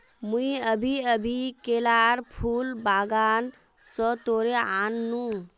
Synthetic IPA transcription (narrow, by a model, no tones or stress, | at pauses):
muĩəbʱiəbʱikeːlaːɾpʰuːlbaːɡaːn | sɔt̪oːɾeaːnːũ